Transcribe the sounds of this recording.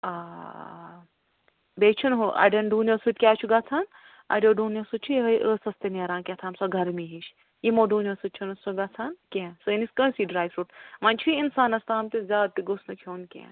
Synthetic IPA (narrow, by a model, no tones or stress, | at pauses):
aː | beːt͡ʃʰunɦuʔɐ̰ɖɐnɖuːnʲjosɨt̪̚ʲkʲaːt͡ʃʰuɡaːt͡sʰaːn | a̰ɖoːɖuːnosɨt͡ʃʰuɦɐjʔəːsɐst̪eneːɾãːnkʲet̪ʰaːmsɐɡʱɐɾmiɦit͡ʃ | jimoɖuːnʲosɨt̪̚t͡ʃʰunɐsoɡat͡sʰaːnkʲẽsɨniskə̃siɖɾaːjʋɾuːʈmaːnʲt͡ʃʰuiinsaːnɐst̪aːmt̪izʲaːd̪̚t̪iɡosnɐkʰoːnkʲḛ̃ː